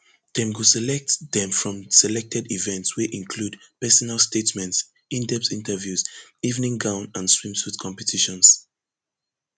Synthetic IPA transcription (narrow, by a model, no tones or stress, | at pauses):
d̥ɛ̃mɡusɛlɛk̚tðɛ̃mfɹɔ̃msɛlɛk̚tʰɛdivɛ̃ntswiʔĩnkʰludpɛsɔnalˠstetmɛ̃nts | ĩndɛp̚tĩntʰəvjuzivnĩŋɡãʊ̃nãnswĩmsutkʰɔ̃mpɛtʰiʃɔ̃ns